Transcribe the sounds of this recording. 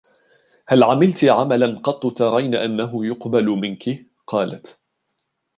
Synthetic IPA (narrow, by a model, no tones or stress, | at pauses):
halʕamɪlt̪ʕamalanqɑt̪ˤːʊt̪ɑɾˤɑjnaʔanːaɦʊjʊqbalʊmɪnkɪ | qɑːla̰t̪